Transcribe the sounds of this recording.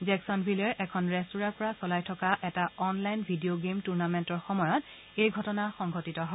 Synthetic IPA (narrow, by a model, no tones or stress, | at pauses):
zɛksɔnbʱilɛɹʔɛkʰɔnɹɛstuɹapɔɹasɔlajtʰɔkaʔɛtaɔnlajnbʱidioɡemtuɹnamɛntɔɹxɔmɔjɔt | ejɡʱɔtɔnaxɔŋɡʱotitɔɦɔ